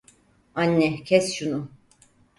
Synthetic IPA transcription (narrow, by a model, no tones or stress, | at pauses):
anʲːɛcʰɛsʃunu